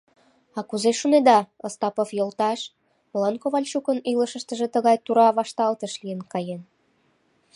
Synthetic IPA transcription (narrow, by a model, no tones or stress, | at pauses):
ɑkuzeʃuned̪ɑəst̪ɑpofjolt̪ɑʃ | məlɑnkoβɑlʲʃukənyləʃəʃt̪əʒĕt̪əɣɑjt̪uɾɑβɑʃt̪ɑlt̪əʃlijənkɑjen